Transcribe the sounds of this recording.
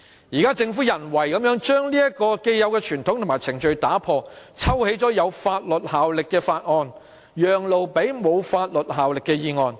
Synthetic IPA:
jiː˨kaː˥t͡sɪ˧ŋfuː˨˥jɐ˨˩nwɐ˨˩jkɐ˨˥mjœː˨˥ŋt͡ʃœː˥ŋliː˥jɐ˥t̚kɔː˧ke˧jjɐ˨˧wkɛː˧t͡ʃʰyː˨˩nt̪ʰʊ˨˥ŋt̪ʰʊ˨˩maː˨˩jt͡sʰɪ˨˩ŋt͡ʃɵ˧ɥt̪aː˨˥pʰɔː˧t͡sʰɐ˥whe˨˥jt͡sɔː˨˥jɐ˨˧wfaː˧t̚lɵ˨t̚haː˨wlɪ˨kːɛː˧faː˧t̚ŋɔː˧n | jœː˨˩ŋlo˨wpe˨˥jmo˨˧wfaː˧t̚lɵ˨t̚ɦaː˨wlɪ˨kːɛː˧jiː˧ŋɔː˨˧n

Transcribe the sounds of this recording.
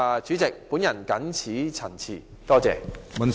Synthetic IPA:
a˨˧t͡ʃyː˨˥t͡sɪ˨k̚pu˨˥njɐ˨˩nkɐ˨˥nt͡sʰiː˨˥t͡sʰɐ˨˩nt͡sʰḭː˨˩ | t̪ɔː˥t͡sɛː˨˧mɐ˨n

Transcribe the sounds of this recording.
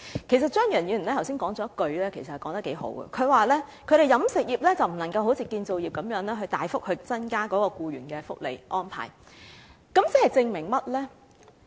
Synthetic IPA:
kʰe˨˩js̬ɐ˨t̚t͡ʃœː˥ŋjœː˨˩njyː˨˧˩nɛ˥t̪ʰwsiː˥nkɔː˨˥ŋt͡sɔː˨˥kɵ˧ɥlɛː˥kʰe˨˩jsɐthjkɔː˨˥ŋt̪ɐ˥ke˨˥jɦo̰˨˥wɡə̰˨kʰɵ˨˧ɥwaː˨˩lɛː˥kʰɵ˨˧ɥɾe˨jɐ˨˥msɪ˨k̚jiː˨p̚lɛː˥t͡sɐ˨wm̩˨˩nɐ˨˩ŋkɐ˧wɦo˨˥wt͡sʰiː˨˧kiː˧nt͡so˨wjiː˨p̚kɐ˨˧˥mjœː˨˥ŋlɛː˥ɦɵ˧ɥt̪aː˨jfʊ˥k̚hɵ˨˧t͡sɐ˥nkaː˥kɔː˨˥kɔː˧kuː˧ɥy̰ː˨˩nkɛː˧fʊ˥k̚lḛ˨jʔɔː˥npʰa̰ː˨˩j | kɐ˨˥mt͡sɪ˥hɐ˨jt͡sɪ˧ŋmɪ˨˩ŋmɐ˥t̚lɛː˥

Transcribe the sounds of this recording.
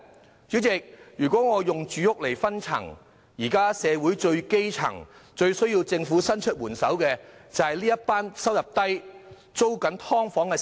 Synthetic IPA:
t͡sy˨˥wt͡sɪ˨k̚jyː˨˩kʷɔː˨˥ŋɔː˨˧jʊ˨ŋt͡ʃyː˨˥jʊ˥k̚le˨˩jfɐ˥nt͡sʰɐ̰˨˩ŋ | jiː˨˩kaː˥sɛː˨˧wuː˨˥jt͡ʃɵ˧ɥke˥jt͡sʰɐ̰˨˩ŋt͡ʃɵ˧ɥsɵ˥ɥjiː˧wt͡sɪ˧ŋfuː˨˥sɐ˥nt͡ʃʰɵ˥t̚wuː˨˩nsɐ˨˥wkɛː˧t͡sɐ˨whɐ˨jliː˥jɐ˥tpaː˥nsɐ˥wjɐ˨˩p̚t̪ɐ˥j | t͡so˥wkɐ˨˥nt̪ʰɔː˥ŋfɔː˨˥ŋkɛ˧

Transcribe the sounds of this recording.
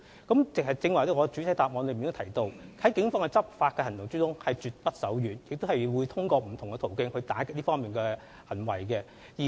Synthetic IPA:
kɐ˨˥mt͡sɪ˨k̚hɐ˨jt͡sɪ˧ŋwɐ˨˩jt̪ɛ˧˥ŋɔ˨˧t͡ʃy˨˥tʰɐ˨˥jt̪aː˨p̚mɔː˨˧nlmi˨t̪o˥tʰɐ˨˩jt̪o˧whɐ˨˥jkɪ˨˥ŋfɔː˥ŋɛ˧t͡sɐ˥p̚faː˧t̚kɛː˧hɐ˨˩nt̪ʊ˨˩ŋt͡sy˥t̪ʊ˥ŋhɐ˨jt͡ʃyː˨t̚pɐ˥t̚sɐ˨˥wjyː˨njɪ˨k̚t̪hɐ˨jwuː˨˧˥jt̪ʰʊ˥ŋkɔː˧m̩˨˩t̪ʰʊ˨˩ŋkɛ˧t̪ʰo˨˩wkɪ˥ŋhɵ˧ɥt̪aː˨˥kɪ˧˥liː˥fɔː˥ŋmiː˨nkɛ˧ | hɐ˨˩nwɐ˨˩jkɛ˧ | jiː˨˩

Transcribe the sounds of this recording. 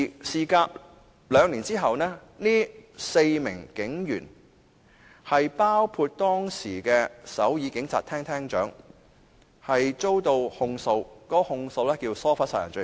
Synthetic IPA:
siː˨kaː˧p̚ | lœː˨˧ŋniː˨˩nt͡siː˥ɦɐ˨wnɛː˥niː˥se˧jmɪ̰˨˩ŋkɪ˨˥ŋjyː˨˩n | hɐ˨jpaː˥wkʰuː˧t̚t̪ɔː˥ŋsḭː˨˩kɛː˧sɐ˨˥wjiː˨˧kɪ˨˥ŋt͡sʰa̰ː˧t̪ʰɛː˥ŋt̪ʰɛː˥ŋt͡ʃœ̰ː˨˥ŋ | hɐ˨jt͡so˥wt̪o˧whʊ˧ŋso˨˧wkɔː˨˥˧hʊ˧ŋso˨˧wlɛː˥kiː˧wsɔː˥faː˨˥saː˨˩jɐ˨˩nt͡ʃɵ˧

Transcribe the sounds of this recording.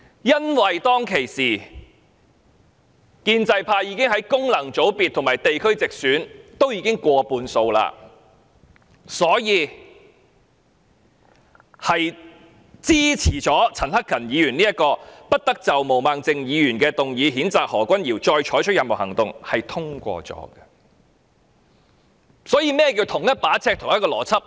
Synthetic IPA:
jɐ˥nwɐ˨jt̪ɔː˥ŋkʰe˨˩jsiː˨˩ | kiː˧nt͡sɐ˧jpʰaː˧jiː˨˧kɪ˥ŋhɐ˨˥jkʊ˥ŋlɐ˨˩ŋt͡so˨˥wpi˨t̪ʰːmaː˨˩jt̪e˨jkʰɵ˥ɥt͡sɪ˨k̚syː˨˥nt̪o˥wjiː˨˧˥kɪ˥ŋkʷɔː˧puː˧nso˧wla̰ː˧ | sɔː˨˥jiː˨˧ | hɐ˨j | t͡siː˥t͡sʰiː˨˩t͡ʃɔː˨˥t͡sʰɐ˨˩nhɐ˥kʰːɐ˨˩njiː˨˧jyː˨˩niː˥jɐ˥t̚kɔː˧pɐ˥t̚t̪ɐ˥k̚t͡sɐ˨wmo˨˩wmaː˨ŋt͡sɪ˨ŋjiː˨˧jyː˨˩nkɛː˧t̪ʊ˨ŋjiː˨˧ɦiː˨˥nt͡saː˨k̚hɔː˨˩kʷɐ˥njiː˨˩wt͡ʃɔː˧jt͡ʃʰɔː˨˥jt͡ʃʰɵ˥t̚jɐ˨mo˨˩whɐ˨˩ŋt̪ʊ˨ŋhɐ˨jt̪ʰʊ˥ŋkʷɔ̰ː˧t͡sɔ̰ː˨˥ɡɐ˧ | sɔː˨˥jiː˧mɛː˥kiː˧wt̪ʰʊ˨˩ŋjɐ˥t̚paː˨˥t͡sʰɛː˧k̚t̪ʰʊ˨˩ŋjɐ˥tkɔː˧lɔː˨˩t͡sʰɐ˥p̚

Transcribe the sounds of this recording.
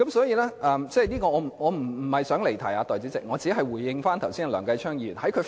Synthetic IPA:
kɐ˨˦˥msɔː˨˥jiː˨˧lɛː˥ʔɐː˧mt͡sɛː˥˧niː˥kɔː˧ŋɔː˨˧m̩˨˩ŋɔː˨˧m̩˨˩˨hɐ˨jsœː˨˥ŋle˨˩jt̪ʰɐ˨˩jaː˧t̪ɔː˨jt͡siː˨˥t͡sɪ˨k̚ŋɔː˨˧t͡siː˨˥ɦɐ˨jwuː˨˩jːɪ˧ŋfaː˥nt̪ʰɐ˨˩wsiː˥n˨lœː˨˩ŋkɐ˧jt͡ʃʰœː˥ŋjiː˧jy̰ː˨˩nhɐ˨˥jkʰɵ˨˧

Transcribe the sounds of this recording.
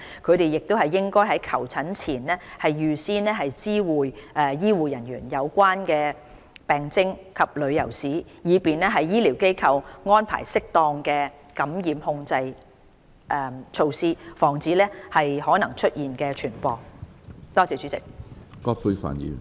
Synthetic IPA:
kʰɵ˨˧ɥt̪e˨jːɪ˨k̚t̪o˥whɐ˨jːɪ˥ŋkɔː˥jɦɐ˨˥jkʰɐ˨˩wt͡sʰɐ˨˥nt͡sʰiː˨˩nlɛː˥hɐ˨jjyː˨siː˥nlɛː˥ɦɐ˨jt͡siː˥wuː˨jʔɛː˨˧jiː˥wuː˨˩jɐ˨˩nɥyː˨˩njɐ˨˧wkʷaː˥nkɛː˧ | pɛː˨˩ŋt͡sɪ˥ŋkʰɐ˨p̚lɵ˨˧ɥjɐ˨˩wsiː˨˥jiː˨˧piː˨nlɛː˥ɦɐ˨jːiː˥liː˨˩wke˥jkʰɐ˧wŋɔː˥npʰa̰ː˨˩jsɪ˥k̚t̪ɔː˧ŋkɛː˧ | kɐ˨˥mjiː˨mhʊ˧ŋt͡sɐ˧j | ʔɛ˨˧t͡ʃʰo˧wsiː˥fɔː˨˩ŋt͡siː˨˥lɛː˥hɐ˨jhɔː˨˥nɐ˨˩ŋt͡ʃʰɵ˥t̚jiː˨nkɛː˧t͡ʃʰyː˨˩npɔː˨k̚t̪ɔː˥t͡sɛː˨˩t͡ʃy˨˥t͡sɪ̰˨˩k̚kɔː˥pʰu˧fa̰ː˨˩ny̰˨

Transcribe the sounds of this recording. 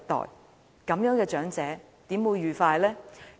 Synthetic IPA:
t̪ɔ̰ː˨˩j | kɐ˨˥mjœː˨˥ŋkɛː˧t͡ʃœː˨˥ŋt͡sɛː˨˥ | t̪iː˨˥mwuː˨˧jɥyː˨˩faː˧jlɛː˥

